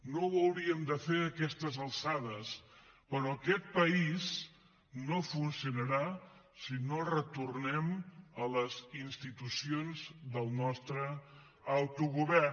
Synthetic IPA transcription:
noəwɾiəmd̪əfeɾəkɛst̪əzəlˠsaðəspəɾɔəkɛt̪̚pəiz | nofunsiunəɾa | sinorət̪urnɛmələzinst̪it̪usionzd̪əlˠnɔst̪ɾəː | wt̪uɣuβɛr

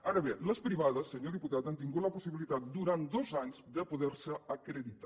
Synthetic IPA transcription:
aɾəβeləspɾiβaðəsːəɲoðiput̪at̪ant̪iŋɡut̪ləpusiβilit̪at̪̚d̪uɾant̪d̪ozaɲzd̪əpuðɛɾsəəkɾəðit̪a

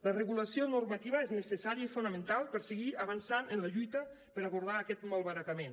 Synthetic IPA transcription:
ləreɣulasionuɾmat̪iβəeznəsesaɾiəifunəmẽnt̪alˠpəɾseɣiaβansanənləʎujt̪ə | pəɾaɣuɾð̞aːkɛt̪malˠβaɾakamen

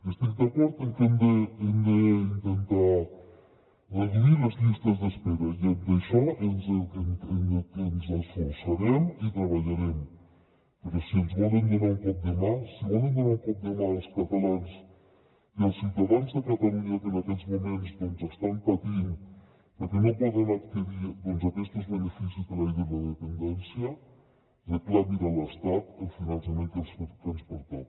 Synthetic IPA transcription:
est̪ik̚d̪akɔɾt̪enk̪end̪eend̪eint̪ent̪a | rəðiðilɐzʎist̪ɐzðəspeɾɐied̪ɐʃɔenzenenzasfuɾsaɾemit̪ɾɐβɐʎaɾem | pəɾesienzβɔlend̪enaumpɔk̚d̪əmasiβɔlend̪unaumpɔk̚d̪əmalˠskat̪alans | iəlˠsiwt̪əðanzðəkət̪əluɲəkənəkɛzmumenzdɔnzəst̪ampət̪in | pəɾkɛnopɔðənəkt̪əðiðɔnzəkɛst̪əzβənəfisizðəlajðəlləðəpənd̪ɛnsiə | dəklaβiɾələst̪at̪əlˠfinənsəmeŋk̪əsfot̪t̪ːɾənspuɾt̪at̪

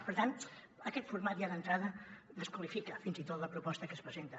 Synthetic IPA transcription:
pəɾt̪anəkɛt̪fuɾmat̪jaðənt̪ɾaðəðəskwəlifikəfinzit̪ot̪ləpɾupɔst̪əkəspɾəzent̪ə

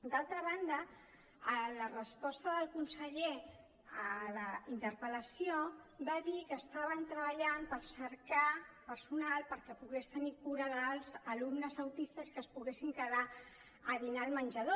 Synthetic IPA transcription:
d̪alˠt̪ɾəβand̪ə | ələrəspɔst̪əðəlˠkunsəʎe | ələint̪əɾpələsiobaðikəːst̪aβənt̪ɾəβəʎampəlsəɾkapəɾsunalˠpəɾkɛpuɣest̪ənikuɾəðəlˠzəlumnəzəwt̪ist̪əskəːspuɣesiŋkəða | əðinalmənʲʒəðo

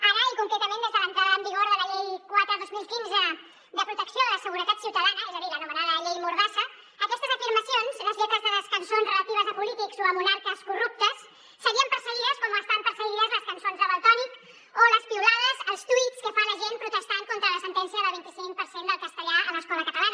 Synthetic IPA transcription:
aɾəikuŋkɾɛt̪əmẽnd̪ezðələnt̪ɾaðaəmbiɣoɾðələʎejkwat̪ɾəðozmilˠkinzə | d̪əpɾut̪əksijoləsəɣuɾət̪at̪siwt̪əðanəɛzəðiðənumənaðələʎejmuɾðasəː | kɛst̪əzəfiɾməsionzləzʎɛt̪əzðələskənsonzrələt̪iβəzəpulit̪ikzoəmunaɾkəskurup̚t̪əsː | əɣiəmpəɾsəɣiðəskɔməst̪aβəmpəɾsəɣiðəzləskənsonzəβəlˠt̪ɔnik | oləspiulaðəzəlˠst̪uit̪skəfanləʒenpɾut̪əst̪aŋkont̪ɾələsənt̪ɛnsijəðəlˠβint̪isiŋk̚pəɾsend̪əlˠkəst̪əʎaələskɔləkət̪əlanə

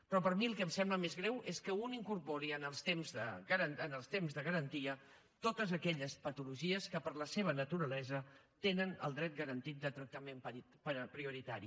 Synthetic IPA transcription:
pɾɔpəɾmiəlˠkəmsɛmbləmezɣɾɛwʔeskəuniŋkurpoɾiənəlˠst̪emzðə̰ɣəɾəənəlˠst̪emzðəɣəɾənt̪iə | t̪ot̪əzəkɛʎəspət̪uluʒiəskəpərləseβ̞ənət̪uɾəlɛzə | t̪enənə̰lˠd̪ɾɛt̪̚ɡəɾənt̪it̪̚d̪ət̪ɾək̚t̪əmem | ppɾiuɾit̪aɾḭ

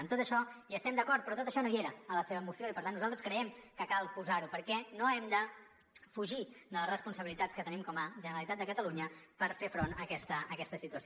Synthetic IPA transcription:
ənt̪ot̪əʃɔiəst̪ɛmd̪əkɔrt̪̚pɾɔt̪ot̪əʃɔnoieɾəːləseβəːmusioipəɾt̪anːuzalˠt̪ɾəskɾəɛmkəkalˠpuzaɾupəɾkɛnoɛmd̪ə | fuʒiðələsrəspunsəβilit̪at͡skət̪ənimkɔməʒənəɾəlit̪at̪̚d̪əkət̪əluɲəpəɾfefɾonəkɛst̪əːkɛst̪əsit̪uəso

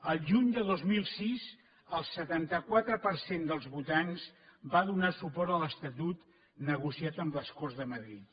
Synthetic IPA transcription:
əlˠʒuɲd̪əðozmilˠsiz | əlˠsət̪ant̪əkwat̪ɾəpəɾsend̪əlˠzβut̪anzbaðunasupɔɾt̪ələst̪ət̪ut̪ | nəɣusiat̪əmləskɔrzðəməðɾit̪̚

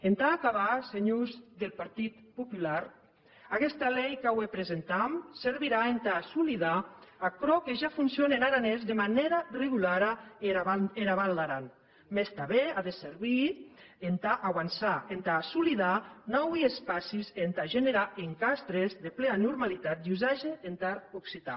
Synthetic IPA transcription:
ent̪aːkaβaseɲuzðelˠpaɾt̪it̪pupulaɾ | akɛst̪alɛjkawepɾezent̪amseɾβiɾaent̪asuliðaakɾɔkeʒafunsjonenaɾanezðemaneɾareɣulaɾa | eɾaβallaɾan | mest̪aβeaðeseɾβi | ent̪aʔawansaent̪aːsuliðanɔwiespasizent̪aʒeneɾaʔeŋkast̪ɾezðepleanuɾmalit̪at̪̚uzaʒeent̪aɾuksit̪a̰

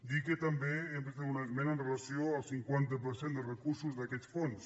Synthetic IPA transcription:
d̪ikət̪ambeːmpɾezt̪aunamɛnənrelasioalˠsiŋkwant̪əp̬əɾsend̪əlrəkuɾsuzðakɛsfons

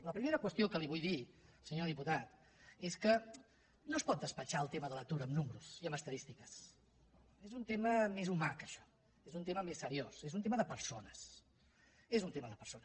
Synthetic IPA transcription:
ləpɾimeɾəkwəst̪iokəliβujðilˠsəɲoðiput̪at̪ | eskə | nospɔt̪̚d̪əspət͡ʃaəlˠt̪eməðələk̚t̪uɾəːmnumɾuziəməst̪əðist̪ikəs | ezunt̪eməmezumakəʃɔ̥ | ezunt̪eməmesːəɾiosezunt̪eməðəpəɾsonəs | ezunt̪eməðəpəɾsonə

